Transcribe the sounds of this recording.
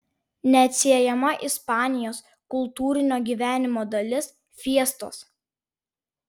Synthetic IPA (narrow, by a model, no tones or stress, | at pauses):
nʲɛɐt̪ʲsʲɪɛjɛmɐʔɪspɑːnʲɪjoːs | kʊlˠt̪uːɾʲɪnʲoːɡʲiːʋʲæːnʲɪmoːd̪ɐlʲɪs | fʲiɛst̪o̰ːs